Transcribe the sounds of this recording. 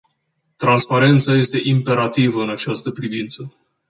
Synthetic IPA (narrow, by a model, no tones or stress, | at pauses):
t̪ɾanspaɾe̞nt̪saje̞st̪e̞ʔimpe̞ɾat̪ivəɨnat͡ʃast̪əpɾivint̪sə